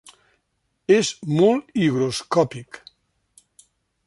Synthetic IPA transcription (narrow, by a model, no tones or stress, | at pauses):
ezmoliɣɾoskɔpik